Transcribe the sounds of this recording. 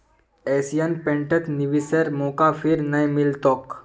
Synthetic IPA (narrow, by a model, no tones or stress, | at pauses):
eːsijənpẽːɳʈət̪niʋisəɾmoːkapʰiɾnɐjmɪlt̪oːk